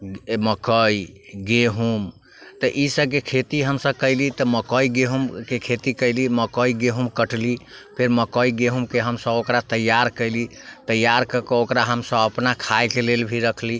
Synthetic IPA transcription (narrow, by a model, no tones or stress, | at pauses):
məkəiɡeɦum | t̪əʔisəb̚kekʰet̪iɦəmsəb̚kəɪlit̪əməkəiɡeɦumkekʰet̪ikəɪliməkəiɡeɦumkəʈlipʰeɾməkəiɡeɦumkeɦəmsəbokɾat̪əjːaɾkəɪli | t̪əjːaɾkəkeokɾaɦəmsə̃bəpnakʰaekelelbʱiɾəkʰli